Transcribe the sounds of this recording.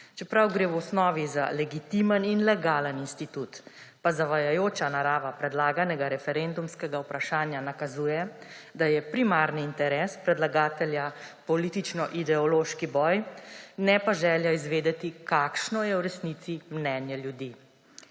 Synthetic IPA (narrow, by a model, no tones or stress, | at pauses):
t͡ʃɛpɾawɡɾeːwɔsnɔːʋiza̰lɛɡit̪iməninlɛɡaːləninst̪it̪ut̪ | pazaʋajajoːt͡ʃanaɾaːʋapɾɛd̪laːɡanɛɡaɾɛfɛɾend̪umskɛɡawpɾaʃaːnjanakazuːjɛd̪ajɛpɾimaɾniːnt̪ɛɾɛspɾɛd̪laɡaːt̪ɛljapɔlit̪it͡ʃnɔʔid̪ɛɔloːʃkibɔːjnɛpaʒɛːljaizʋeːd̪ɛt̪ikaːkʃnɔjɛwɾɛsnit̪simnɛːnjɛljud̪i